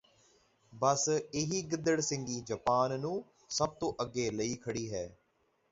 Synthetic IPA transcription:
bəsɪɦiːɡɪd̪əɽsɪ̃ŋɡiːd͡ʒəpaːnːũː | səb̚t̪õːʔəɡːeːləiːkʰəɽiːɦɛː

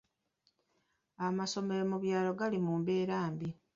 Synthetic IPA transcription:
amaso̞me̞ɾe̞muβjaːlo̞ɡalimuːmbeːɾaːmbi

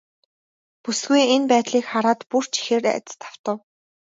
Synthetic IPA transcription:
pusɡujenpæːt̪ɮiːkχaɾaːt̪pur̥t͡ɕʰi̥xeːræ̰t͡s̪̆st̪ʰḁw̥t̪ə̆w

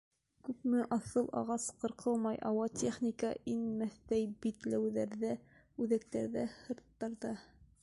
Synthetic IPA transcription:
kʉpmɘʔɑθɤlˠʔɑ̰ʁɑsqɤ̆ɾqʰɤlˠmɑjʔɑwɑt̪ʲʰeχnʲikɑʔinmæθt̪æjbit̪læwðæɾðæ | ʉðæk̚t̪æɾðæhɤ̆ɾt̪ːɑɾðɑ

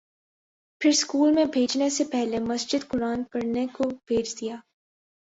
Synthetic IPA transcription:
pʰɪɾskuːlmẽbʱeːd͡ʒnesepɛɦlemɐsd͡ʒɪd̪kʊɾaːnpɐɾnekob̥ʱeːd͡ʒd̪ijaː

